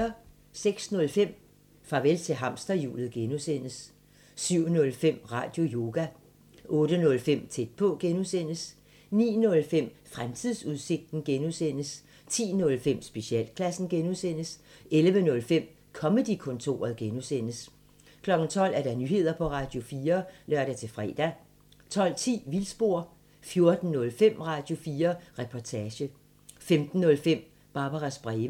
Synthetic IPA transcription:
ɐ | seɡ̥snɔ̽lfem̰ | fɑ̈ʋelt͡sʰe̝ɦɑ̈m̰sd̥ɐjṵːlð̩ˠɡ̥enusen̰əs | syʊ̰nɔ̽lfem̰ʁɑ̰̈ːd̥jo̝jo̝ːɡ̥æ | ʔɔ̽ːd̥ənɔ̽lfem̰t͡sʰed̥̚pʰɔ̽ɡ̥enuðˠsen̰əs | nḭːnɔ̽lfem̰fʁamt͡sʰiðˠsuðˠse̝ɡ̥̚d̥n̩ɡ̥enusen̰əs | t͡sʰḭːnɔ̽lfem̰sb̥e̝ɕiɛ̰ːlkʰlæsn̩ɡ̥enuðˠsen̰əselʋənɔ̽lfem̰ | kʰɒ̽məd̥ikʰɔ̽nt͡sʰo̝̰ːɐðˠɡ̥enusen̰əs | kʰlɒ̽ɡ̥n̩t͡sʰɒ̽l̰æɐɾ̥ɑ̈nyːhe̝ð̞̰ˠɐpʰɒ̽ʁɑ̈ːd̥jo̝fiːɐlɶɐ̰d̥æt͡sʰe̝fʁɛ̰ːd̥æ | t͡sʰɒ̽l̰t͡sʰḭːʋilsb̥o̝ɐ̰ | fjo̝ɐd̥n̩nɔ̽lfem̰ʁɑ̈d̥jo̝fiːɐʁɛpʰɒt͡sʰɛːɕə | femd̥n̩ːɔ̽lfem̰ | b̥ɑ̈ːb̥ɑʁɑsb̥ʁɛːʋə

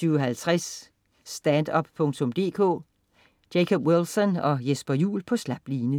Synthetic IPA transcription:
yːʊɒɦælt͡sʰʁasː | d̥ænd̥ɒ̽b̥̚pʰɔ̽ŋt͡sʰɔ̽md̥e̝̰ːkʰɔ̰̽ː | d̥ekʰob̥welsɒnɒ̽jesb̥ɐjṵːlpʰɒ̽slæb̥liːnə

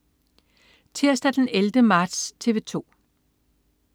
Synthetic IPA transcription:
t͡sʰeɐ̰sd̥æd̥eneld̥əmɑ̈ːd̥st͡sʰe̝ʋe̝t͡sʰo̝̰ː

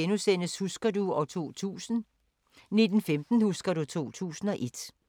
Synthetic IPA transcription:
enusen̰əshusɡ̥ɐduɒ̽t͡sʰo̝̰ːuː | ne̝d̥n̩femd̥n̩husɡ̥ɐɾut͡sʰo̝̰ːt͡sʰṵːsn̩ɒ̽ʔe̝d̥

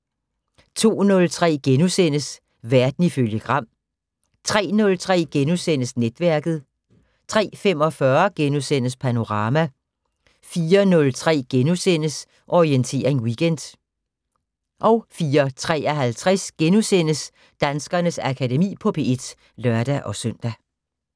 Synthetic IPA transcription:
t͡sʰo̝̰ːnɔ̽lt͡sʰʁɛ̰ːɡ̥enusen̰əs | ʋæɐd̥n̩iføljəɡ̥ʁɑ̈m̰ | t͡sʰʁɛ̰ːnɔ̽lt͡sʰʁɛ̰ːɡ̥enusen̰əsned̥ʋæɐɡ̥ð̩ˠ | t͡sʰʁɛ̰ːfemɒ̽fɶɐɡ̥enusen̰əspʰæno̝ʁɑ̈ːmæ | fiːɐnɔ̽lt͡sʰʁɛ̰ːɡ̥enusen̰əs | ʔɒʁient͡sʰe̝̰ːɐʁeŋwiɡ̥end̥ | ʔɒ̽ʊfiːɐt͡sʰʁɛ̰ːɒɦælt͡sʰʁɛsɡ̥enusenəs | d̥ænsɡ̥ɐnəsækʰædemḭːpʰɒ̽pʰe̝e̝d̥ | lœɐd̥æʔɒ̽søn̰d̥æ

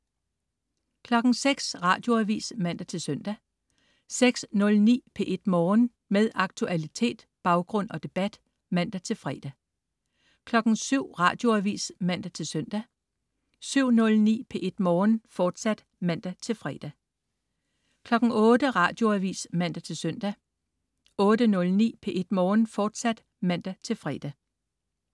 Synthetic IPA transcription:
kʰlɒ̽ɡ̥ŋ̩seɡ̥sʁɑ̈ːd̥jo̝æʋḭːsmæn̰d̥æt͡sʰe̝lsœn̰d̥æ | seɡ̥snɔ̽lnḭːpʰe̝ʔe̝d̥mɒːn | meðˠɑ̈ɡ̥̚t͡sʰuʔælit͡sʰe̝̰ːd̥b̥ɑ̈ʊɡ̥ʁɔ̽n̰ɒ̽d̥e̝b̥æd̥ | mæn̰d̥æt͡sʰe̝lfʁɛ̰ːd̥æ | kʰlɒ̽ɡ̥n̩syʊ̰ʁɑ̈ːd̥jo̝æʋḭːsmæn̰d̥æt͡sʰe̝lsœn̰d̥æ | syʊ̰nɔ̽lnḭːpʰe̝ʔe̝d̥mɒːnfɒːd̥sæd̥ | mæn̰d̥æt͡sʰe̝lfʁɛːd̥æ | kʰlɒ̽ɡ̥ŋ̩ɔ̽ːd̥əʁɑ̈ːd̥jo̝æʋḭːsmæn̰d̥æt͡sʰe̝lsœn̰d̥æ | ɔ̽ːd̥ənɔ̽lnḭːpʰe̝ʔe̝d̥mɒːnfɒːd̥sæd̥ | mæn̰d̥æt͡sʰe̝lfʁɛːd̥æ

